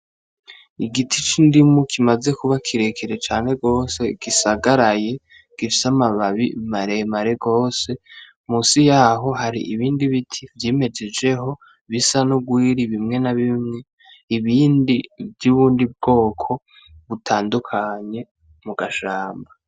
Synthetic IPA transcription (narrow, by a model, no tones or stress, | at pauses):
iɡitʰit͡ʃindimukʰimaze̞kuβakʰiɾe̞kʰeɾe̞t͡ʃaːne̞ɡo̞ːse̞ɡ̥isaɡaɾaje̞ | ɡ̥ifi̥samaβaβimaɾe̞maɾeɡo̞ːse̞ | muːsijaɦo̞haɾḭʔiβiːndiβitʰivjiːme̞d͡ʒe̞d͡ʒe̞ɦo̞ | βisanuɡwiːɾiβimŋe̞naβimŋe̞ | iβiːndivjuːβuːndib̚ɡo̞ːkʰo̞ | βutʰaːndukʰaɲe̞ | muɡaʃaːmba